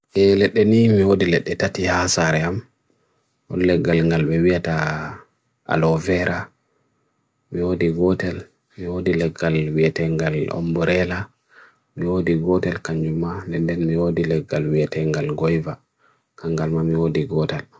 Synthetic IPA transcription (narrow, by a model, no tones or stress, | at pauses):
ʔɛlɛɗːɛnimiwodilɛɗːɛtatihasaɾɛam | ɔ̰nlɛɡːalŋɡalbɛwijata | ʔa̰lɔvɛɾʔa | miwodiɡɔtɛl | miwodilɛɡːalwijatɛŋɡalɔ̰mbɔɾɛla | miwodiɡɔtɛlkaɲd͡ʒumanɛndɛnmiwodilɛɡːalwijatɛŋɡalɡɔjva | kaŋɡalmamiwodiɡɔtɛl